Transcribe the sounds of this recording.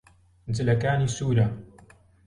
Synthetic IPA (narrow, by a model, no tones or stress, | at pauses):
nzɨlɐkaːniːsuːɾa